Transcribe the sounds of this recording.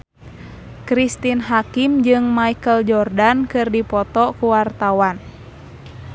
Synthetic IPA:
kɾist̪inɦakimd͡ʒɨŋmaikəld͡ʒɔrdankɨrdipɔt̪ɔkuwart̪awan

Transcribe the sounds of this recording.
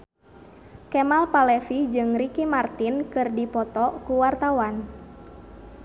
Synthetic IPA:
kɛmalpalɛfid͡ʒɨŋrikimart̪inkɨrdipɔt̪ɔkuwart̪awan

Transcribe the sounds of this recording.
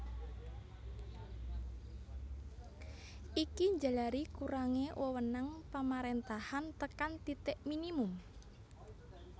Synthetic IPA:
ʔikiɲd͡ʒa̤laɾikuɾaŋewʔəwənaŋpamaɾent̪ahant̪əkant̪it̪ɛʔminimum

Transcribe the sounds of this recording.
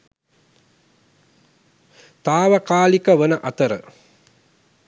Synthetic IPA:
t̪aːʋɐkaːlikəʋənəʔat̪əɾə̰

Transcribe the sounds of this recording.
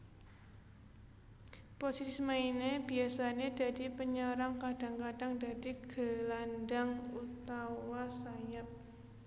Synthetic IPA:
posisismaineb̥i̤asaned̥a̤d̥ipəɲɔɾaŋkaɖ̥a̤ŋkaɖ̥aŋda̤diɡ̥ə̤landaŋut̪awasajat̚

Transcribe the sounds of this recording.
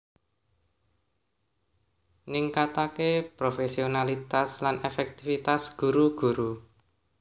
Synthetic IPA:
niŋkat̪akepɾofesionalit̪aslanefɛk̚t̪ifit̪asɡ̥uɾuɡ̥uɾu

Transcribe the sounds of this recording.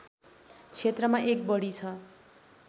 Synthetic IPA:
t͡sʰet̪rʌmaʔek̚bʌɽit͡sʰʌ

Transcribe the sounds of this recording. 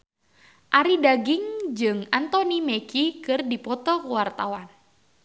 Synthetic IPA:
ʔaɾidaɡɪŋd͡ʒɨŋant̪ɔnimekikɨrdipɔt̪ɔkwart̪awan

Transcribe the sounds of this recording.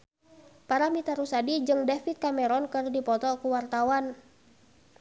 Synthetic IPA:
paɾamit̪aɾusadid͡ʒɨŋdɛfit̪̚kamɛɾɔnkɨrdipɔt̪ɔkuwart̪awan

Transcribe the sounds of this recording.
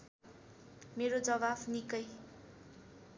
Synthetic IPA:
meɾod͡zʌβabnikʌj

